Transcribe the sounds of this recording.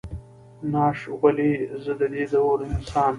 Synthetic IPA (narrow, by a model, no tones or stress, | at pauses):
nɑːʂɣɐlezəd̪əd̪eːd̪awoɾɪnsɑːn